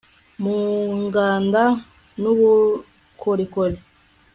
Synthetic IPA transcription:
muŋɡaːnda | nuβu | kʰoɾikoli

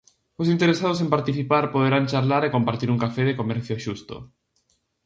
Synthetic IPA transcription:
osint̪eɾesað̞osempaɾt̪iθipaɾpoð̞eɾant͡ʃaɾlaɾekompaɾt̪iɾuŋkafeðekomɛɾθjoʃust̪o̰

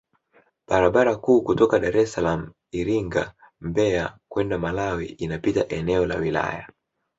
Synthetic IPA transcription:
ɓaɾaɓaɾakuːkutɔkaɗaɾɛsalamu | iɾiŋɡa̰ | mbɛakwɛndamalawḭinapitaʔɛnɛɔlawila̰ja

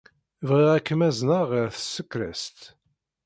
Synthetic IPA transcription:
vʁiʁækːəmæznəʁɾθə̥sːəkːɾæ̰st̪

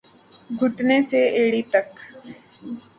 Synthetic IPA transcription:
ɡʱʊʈneseeːɽit̪ək

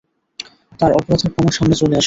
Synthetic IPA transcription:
t̪aɾɔpoɾat̪ʰeɾpɔmoʃamnet͡ɕoleaʃ

